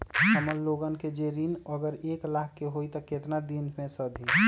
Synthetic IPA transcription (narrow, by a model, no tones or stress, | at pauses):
əməlloɡənked͡ʒeɾiːnəɡəɾeːklaːkːeɦoit̪ɔket̪nad̪inmẽsəd̪ʱi